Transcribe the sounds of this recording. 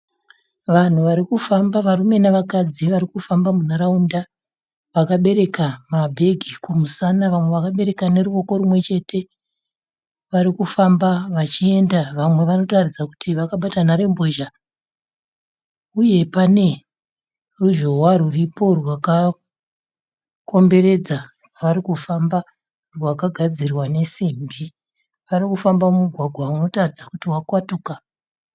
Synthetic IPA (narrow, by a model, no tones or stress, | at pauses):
ʋan̤uʋaɾikufambaʋarume̞naʋakad͡ziʋaɾikufambamunaɾaunda | ʋakaɓe̞ɾe̞kamabʱe̞ɡʱikumusanaʋamwe̞ʋakaɓe̞ɾe̞kane̞ɾuo̞ko̞ɾumwe̞t͡ʃe̞tʰe̞ | ʋaɾikufambaʋat͡ʃie̞ndaʋamwe̞ʋano̞tarid͡zaku̥tʰiʋakaɓatanaɾe̞mbo̞ʒa | uje̞pane̞ | ruʒo̞ɦwaruripo̞rwaka | ko̞mbe̞ɾe̞d͡za | ʋaɾikufamba | rwakaɡʱad͡zirwane̞simbi | ʋaɾikufambamumuɡʱwaɡʱwauno̞tarid͡zakutiwakwatuka